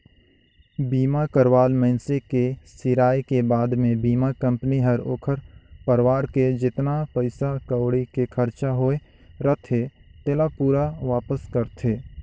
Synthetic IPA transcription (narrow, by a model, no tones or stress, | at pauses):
biːmakəɾwaːlmɛ̃ɪnsekesɪɾaːjkebaːd̪mẽbiːmakə̃mpniɦəɾoːkʰəɾpəɾwaːɾked͡ʒɪt̪napəɪsakəʊɽikekʰəɾt͡ʃaɦoːe | ɾət̪ʰet̪elapuːɾaʋaːpəskəɾt̪ʰeː